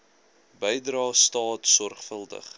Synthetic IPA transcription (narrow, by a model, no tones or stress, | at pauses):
bəjdrɑːstɑːtsɔrχfəlˠdə̰χ